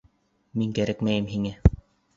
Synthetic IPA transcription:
miŋkæɾækmæjɘmɦiŋæ

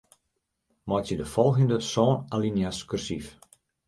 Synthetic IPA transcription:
mɔjtjədəfɔlˠɣəndəsɔːnalinjaskyrsif

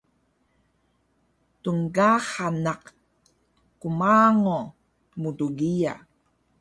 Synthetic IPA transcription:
tuŋɡaχanaq | kumaːŋo | muduɡija̰

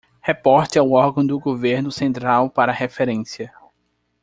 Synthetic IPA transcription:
hepɔɾt͡ʃ̪ɪawɔɾɡɐ̃d̪ʊɡoveɾnʊsẽnt̪ɾawpaɾɐːhefeɾẽsiɐ

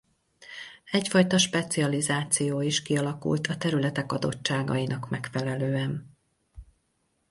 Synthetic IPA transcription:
ɛcfɒjt̪ɒʃpɛt̪siɒlizaːt̪sijoːiʃkiɒlɒkṵlt̪ʰɒt̪ɛɾylɛt̪ɛkɒd̪o̞̰t͡ʃt͡ʃːaːɡɒ̰inɒkmɛkfɛlɛløːɛn

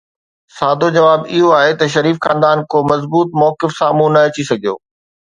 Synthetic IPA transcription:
saːd̪ʱod͡ʑɐʋaːbɪɦoaːɦet̪ɐʃ̬ɐɾiːfxãːnd̪aːnkomɐzbuːt̪mɔːkɪfsaːmũnɐɐt͡ɕisɐɡʱijo̰ː

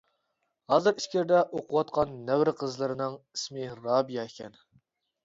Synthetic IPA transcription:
hɑːzɨɾiʃkʲɪɾd̪ɛʔoqʰʊwɑt̪̚qʰɑnːɛwɾqʰəzlˠɨɾɨnɨŋismɪɾɑːbijɑekʲʰɛn

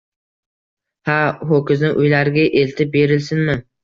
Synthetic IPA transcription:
haɦokʲɪznɪʔʊjlaɾɪɡʲaʔelt̪ʰɪp̚be̞ɾɪlsɪnmɪ

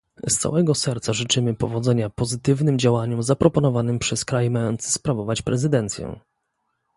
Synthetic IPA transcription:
st̪sa̰wɛɡɔsɛɾt̪saʐɘt͡ʂɘmɘpɔvɔd̪zɛɲapɔzɘt̪ɘvnɘmd͡ʑawaɲumzapɾɔpɔnɔvanɘmpʂɛskɾajmajɔnt̪sɘspɾavɔvat͡ɕpɾɛzɘd̪ɛnt̪sʲjɛ̰

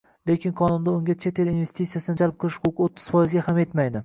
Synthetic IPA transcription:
le̞kʲʰɪnqʰɒnʊnd̪aʊŋɡʲat͡ʃʰe̞t̪ʰe̞linve̞st̪ʰisːijasɪnɪd͡ʒalˠp̚qʰɨlˠɪʃkʰokot̪ʰːɪ̥z̥fɒjɪzɡʲahame̞t̪majd̪ɪ

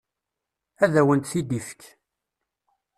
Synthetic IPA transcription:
æðæwənt̪θid̪ifə̥k

